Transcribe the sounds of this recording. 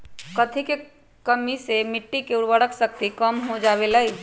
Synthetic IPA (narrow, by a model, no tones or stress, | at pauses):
kət̪ʰike | kəmːisemiʈːikeuɽʋəɽəksək̚t̪ikəmɦod͡ʒaβeləj